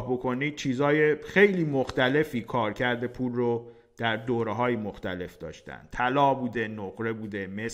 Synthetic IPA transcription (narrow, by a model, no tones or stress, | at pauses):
hbo̞kʰo̞niːd̪̥̚t͡ʃʰiːzhɒːjexe̞jliːmoxt̪æle̞fiːkʰɒːɾcʰæɾd̪e̞pʰuːlro | d̪̥æɾd̪oːɾeɦɒːjimoxt̪æle̞fd̪ɒ̰ːʃt̪æ̰n̥̚t̪ʰælɒːbuːd̪enoɣɾe̞buːd̪emes